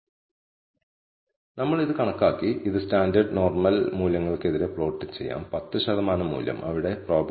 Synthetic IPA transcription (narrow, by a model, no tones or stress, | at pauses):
nɐmːɐɭiðɨkɐɳɐkːaːkːiʔiðɨstaːndɐɖno̞ːrmɐlmuːljɐŋːɐɭke̞ðiɾe̞pɭo̞ːʈːɨt͡ɕe̞jːa̰ːmpɐt̪ːɨɕɐðɐmaːnɐmːṵːljɐ̰mʔɐ̰ʋiɽe̞proːb